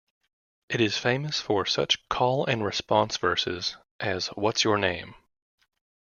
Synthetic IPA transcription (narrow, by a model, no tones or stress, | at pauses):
ʔɨɾɨz̥fẽɪ̃mɨsfə˞sʌ̰t͡ʃkʰɔlˠɨ̃nɹɨspɑ̃nsv̥ɜ˞sɨ̰z | ʔɨzwʌtsjə˞nẽɪ̃m